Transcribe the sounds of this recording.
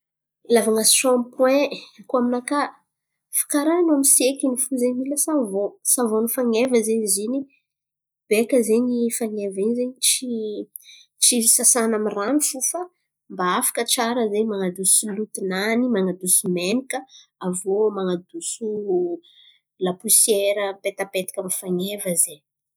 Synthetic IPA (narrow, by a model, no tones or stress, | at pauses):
lavaŋasʃɔ̃mpwɛ̃kuaminaka | fi̥kaɾanamisiekinifuzeɲiləsavosavonifaŋevəzeɲizini | b̥ekəzeɲifaŋevinzeɲit͡ʃi | ʈ͡ʂiisasanamiranifufə | mbaafḁkət͡ʃaɾəzemaŋad̪usulut̪inanimaŋad̪usumenikəavomaŋad̪usu | lapusjeɾəmpet̪apet̪i̥kʲamifaŋevəze